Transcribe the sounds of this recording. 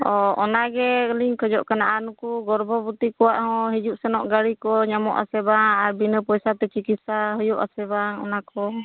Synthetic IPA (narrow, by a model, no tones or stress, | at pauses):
ɔɔnaɡɛliŋkʰəd͡ʒɔʔkanaʔanukuɡɔɾbʱɔbut̪ikɔwaʔhɔ̃ɦid͡ʒuʔsɛnɔʔɡaɾikɔɲamɔ̰ʔa̰sɛbaŋaɾbinəpɔjsat̪ɛt͡ʃikit̪saɦɔjuʔa̰sɛbaŋɔ̰nakɔ